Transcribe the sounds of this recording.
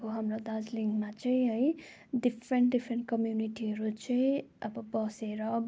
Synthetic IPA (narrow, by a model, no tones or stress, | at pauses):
koɦamrod̪ad͡zliŋɡmat͡sʌĩɦʌj | ɖipʰɾeɳʈɖipʰɾeɳʈ̚kʌmjuniʈiʌɾut͡sʌĩʌbʌbʌseɾʌ